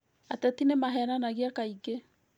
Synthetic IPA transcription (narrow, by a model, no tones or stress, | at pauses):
atɛtinemaɦɛɾanaɣeakaiɡe